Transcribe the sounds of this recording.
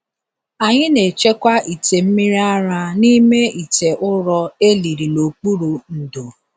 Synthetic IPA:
a˨ɲɪ˦ne˨t͡ʃe˦kʷa˦ʔi˨te˨m̩˦mi˦ɾi˦a˦ɾa˦ni˦me˦i˨te˨ʔʊ˦ɾɔ˦e˦li˨ɾi˨lo˨k͡pu˦ɾu˨n̩˨do˨

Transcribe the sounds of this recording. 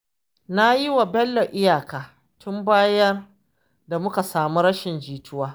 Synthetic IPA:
na˦ji˦wa˨bɛ˦lːo˨ʔɪ˦jaː˨kaː˨ | tʰʊ˦mbaː˦jɐ˦r | da˨mʊ˦ka˨saː˨mu˦ɾɐ˦ʃɪ˨nd͡ʒiː˨tʰʊ˦waː˦

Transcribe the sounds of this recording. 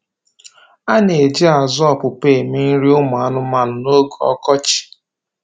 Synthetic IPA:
a˦ne˨e˨d͡ʒi˦a˨zɔ˦˨pʊ˨peː˦˨mi˦n̩˦ɾi˦ʊ˦mʊ˨a˨nʊ˦ma˨nʊ˨no˦ɡo˨ɔ̰˦kɔ˦t͡ʃi̥˨

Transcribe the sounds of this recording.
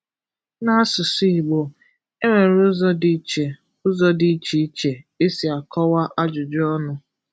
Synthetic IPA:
na˦a˦sʊ˨si˦i˨ɡ͡bo˨ | e˦ŋʷe˨ɾʊ˦zɔ˦di˦t͡ʃe˨ | ʊ˦zɔ˦di˦t͡ʃi˨˦t͡ʃe˨e˦si˨a˨kɔ˦wa˦ʔa˦d͡ʒʊ˨d͡ʒɔ˦nʊ˨

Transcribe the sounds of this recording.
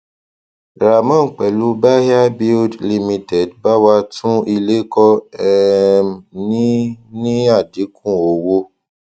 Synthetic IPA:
ɾa˨mã˦˨k͡pɛ˨lu˦ba˦ha˦bi˦ldli˧mĩ˧tɛ˨dba˦wa˧˦tũ˦i˧le˦kɔ˧ɛ˨mnĩ˦nĩ˦a˦˨di˨˦kʰũ˦˨o˨wo˧

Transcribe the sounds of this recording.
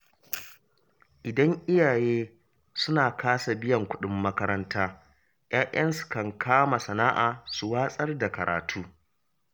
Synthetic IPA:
ʔɪ˨dɐ˦ŋʔɪ˦jaː˨jeː˦ | sʊ˦naː˨kʰaː˦sa˨bɪ˦jɐ˨ŋkʷʊ˦ɗɪ˦mːɐ˦kɐ˦ɾɐ˦ntaː˦ | j̰ʔaː˦ʔɐ˦nsu̥˨kɐ˨ŋkʰaː˦ma˨sɐ˨naː˦ʔaː˨su˨waː˦sʼɐ˦rda˨kɐ˨ɾa̰ː˨tʰuː˦

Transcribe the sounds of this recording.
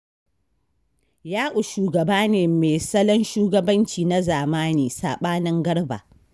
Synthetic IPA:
jaː˦ʔʊ˨ʃuː˨ɡɐ˨baː˦neː˨meː˨sɐ˦lɐ˦nʃuː˦ɡɐ˦bɐ˦nt͡ʃiː˨na˦zaː˨maː˦niː˨saː˨ɓaː˦nɐ˦ŋɡɐ˦ɽba̰˨

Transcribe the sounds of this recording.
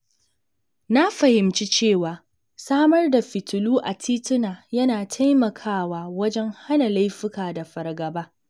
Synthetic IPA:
na˦ɸɐ˨hɪ˨mt͡ʃi˦t͡ʃeː˦˨waː˨ | saː˦mɐ˦rda˨ɸɪ˨tʊ˨luː˦ʔa˨tʰiː˦tʊ˦naː˨jɐ˦naː˨tʰa˦jmɐ˨kʰaː˦˨waː˦wɐ˦d͡ʒɛ˦ŋha˦na˨la˦jɸɪ˦kaː˨da˨ɸɐ˨rɡɐ˨baː˦

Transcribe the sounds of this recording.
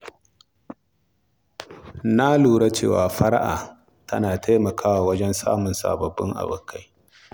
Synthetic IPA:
na˦luː˨ɽa˦t͡ʃḛː˦˨waː˨ɸɐ˦ɾa˦ʔa̰ː˨ | tɐ̰˦naː˨tʰa˦mɐ˨kʰaː˦waː˨wɐ˦d͡ʒɛ˦nsa̰ː˦mʊ˨nsa̰ː˨bɐ˨bːɪ̰˦ŋʔa̰˨bʊ˨kʰːa˦j

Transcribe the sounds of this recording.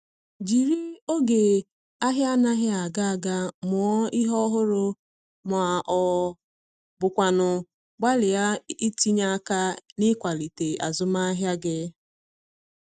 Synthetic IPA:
d͡ʒi˨ɾi˦o˦ɡe˨ | a˦ɦja˦na˦ɦɪ˦a˨ɡa˦a˨ɡa˦mʊ˨ɔ˦i˦ɦɔ˦ɦʊ˦ɾʊ˦ | m˨a˨ʔɔ˨ | bʊ˨kʷa˨nʊ˨ | ɡ͡ba˦lɪ˨ja˦i˦ti˦ɲa˦ka˦nɪ˦kʷa˨li˨te˨a̰˨zʊ˦ma˦a˦ɦja˦ɡɪ˦

